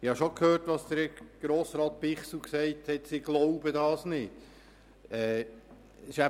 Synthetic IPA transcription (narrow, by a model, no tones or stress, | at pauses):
ɪhɑʃokʰhøːrtʋɑːsd̥̪əɾɡ̥ɾoːsɾɑːt̪̚pɪχsl̩ksɛɪthɛtsɪɡloʊbədɑːsnɪd̥ | ɛː | sɪʃæ